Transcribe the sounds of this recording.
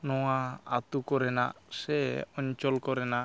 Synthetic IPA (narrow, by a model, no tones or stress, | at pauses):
nɔwaa̰t̪ukɔɾɛna̰ʔsɛɔɲt͡ʃɔlkɔɾɛna